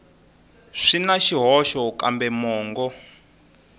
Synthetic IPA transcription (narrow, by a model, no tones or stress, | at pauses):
ʂinaʃiɦɔʃɔkambɛmɔːŋɡɔ